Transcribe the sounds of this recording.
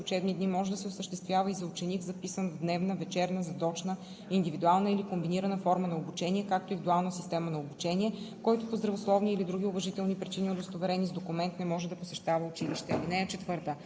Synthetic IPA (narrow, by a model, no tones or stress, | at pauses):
ʊt͡ʃɛbnid̪nimɔʒɛd̪ɐsɛʊsəʃt̪ɛst̪vʲjavəizɐʊt͡ʃɛnikzɐpisənvd̪nɛvnəvɛt͡ʃɛɾnəzɐt̪ɔt͡ʃnə | ind̪ivid̪ualˠnəilikombiniɾɐnəfɔɾmənɐobut͡ʃɛniɛkak̚t̪oivid̪ualˠnəsist̪ɛmənɐobut͡ʃɛnʲiɛkɔjt̪ʊpozd̪ɾɐvoslˠɔvniːlid̪ɾuɡ̟ʲiʊvɐʒit̪ɛlˠnipɾit͡ʃiniod̪ost̪ovɛɾɛnizd̪okumɛnt̪nɛmɔʒɛd̪ɐposɛʃt̪avəʊt͡ʃiliʃt̪ɛvinɛɛt͡ʃɛt̪vɤɾt̪ə